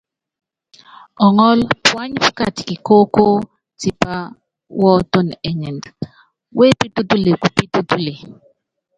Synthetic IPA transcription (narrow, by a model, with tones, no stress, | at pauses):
ɔ˨ŋɔ˦lpwa˦ɲfka˦˨tki˨ko˦ko˦ | ti˨pa˦ | wɔ˦to˦n˨ɛ˨ɲɛ˨nd | wʔe˦pi˦tu˦tu˦le˨ku˨pi˦tu˦tu˦le˨